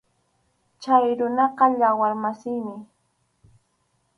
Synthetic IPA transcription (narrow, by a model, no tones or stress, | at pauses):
t͡ʃajɾʊnɑqɑʎawaɾmasɪjmɪ